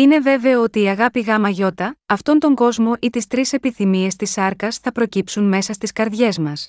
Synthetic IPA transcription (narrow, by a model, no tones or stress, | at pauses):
ine̞ve̞ve̞ɐot̪iːɐɣɐpiɣɐmɐʝo̞t̪ɐɐft̪o̞nt̪o̞ŋɡo̞zmo̞ʔit̪ist̪ɾise̞piθimie̞st̪isɐɾkɐsθɐpɾo̞cipsunme̞sɐst̪iskɐɾðʝe̞zmɐs